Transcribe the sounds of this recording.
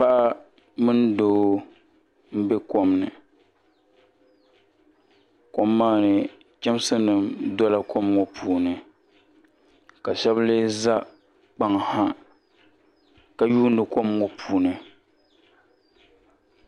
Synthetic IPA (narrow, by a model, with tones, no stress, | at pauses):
pa˦ʔa˦ | mɨ˦n˦doː˦ | m̩˦be˦ko˨mnɨ̰˨ | ko˦mːaː˦˨nɨ˨ | t͡ʃɛ˦m˦sɨ˦nɨ˨mdɔ˦la˦kɔ˦mŋɔ˨pʰuː˨nɨ˨ | ka˨ʃɛ˦ble˦za˦ | k͡pa˨ŋ˨ha˦ | ka˨juː˦n̩˦dɨ˨kɔ˦mŋɔ˨pʰuː˨nɨ˨